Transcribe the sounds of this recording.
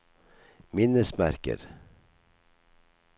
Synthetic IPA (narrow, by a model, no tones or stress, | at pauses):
mɪnəsmæɾkə̰ɾ